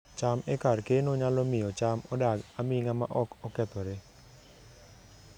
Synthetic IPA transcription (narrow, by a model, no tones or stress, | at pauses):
t͡ʃamɛkarkenoɲalomɪjɔt͡ʃamɔdaɡamiŋama̰ʔɔkɔkɛt̪ɔɾe